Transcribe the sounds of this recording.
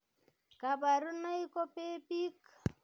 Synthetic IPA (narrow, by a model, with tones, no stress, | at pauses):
ka˨ba˨ɾu˦na˦i˦kɔ˦pe˦pi˦k